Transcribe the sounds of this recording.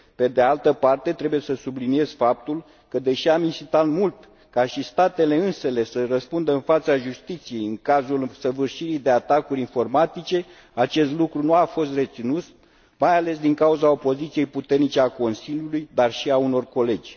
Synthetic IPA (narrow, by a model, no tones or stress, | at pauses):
pe̞d̪ealt̪əpart̪e̞t̪ɾe̞buje̞səsublinie̞z̥fap̚t̪ul | kəd̪e̞ʃiaminsit̪at̪mult̪ | kaʃist̪at̪e̞le̞ɨnse̞le̞sərəspund̪əɨnfat̪saʒust̪it̪sije̞jɨŋkazulsəvɨrʃiɾijd̪e̞at̪akuɾʲinfo̞rmat̪it͡ʃe̞ | at͡ʃe̞st̪lukɾunuafo̞st̪re̞t̪sinut̪s | majale̞sd̪iŋkauzao̞po̞zit̪sije̞jput̪e̞rnit͡ʃe̞ako̞nsilʲjulujd̪arʃiauno̞rko̞le̞d͡ʒʲ